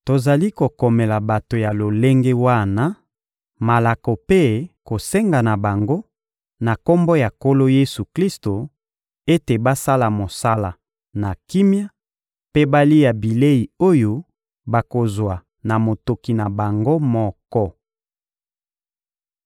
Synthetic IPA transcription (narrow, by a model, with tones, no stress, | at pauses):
to˨za˨li˦ko˨kɔ˨mɛ˨la˨ba˨to˨ja˨lo˨le˦ŋɡe˦wa˦na˦ | ma˨la˨kɔ˨pe˦ko˨se˦ŋɡa˨na˨ba˨ŋɡo˦ | na˨ko˦mbɔ˦ja˨ko˦lo˦je˦su˨kli˦sto˨ | e˦te˨ba˦sa˦la˨mo˨sa˦la˨ | na˨ki˦mja˦ | pe˦ba˦li˦ja˨bi˨le˦i˨o˦jo˦ | ba˨ko˨zwa˨ | na˨mo˨to˨ki˨na˨ba˨ŋɡo˦mɔ˦kɔ˦